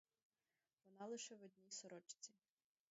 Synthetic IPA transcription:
ʋɔnɑlˠɪʃɛʋɔd̪ʲnʲisɔɾɔt͡ʃt͡sʲi

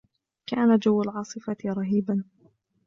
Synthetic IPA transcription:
kaːnad͡ʒawːalʕɑːsˤɨfaɾˤɑɦiːban

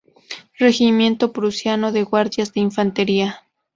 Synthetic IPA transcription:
re̞ximje̞nt̪opɾusjanoðe̞ɣwaɾðjazðeiɱfant̪eɾia

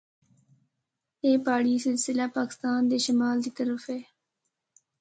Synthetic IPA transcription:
eːpaːɽisɪlsɪlapaːkɪ̥st̪aːnd̪eʃɐmaːld̪it̪ɐɾəfeː

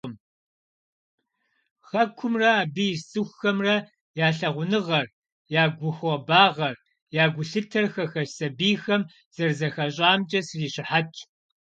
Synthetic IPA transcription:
m | xɐkʷʰʊmrɐaːbijssʼɨxʷxɐmrɐ | jaːɬɐʁʷʊnɨʁɐr | jaːɡʷʊxɔbaːʁɐr | jaːɡʷʊɬɨtʰɐrxɐxɐʃsɐbiːxɐm | z̥ɐrzɐxɐɕʼaːmt͡ʃʼɐsriːɕɪħat͡ʃʰ

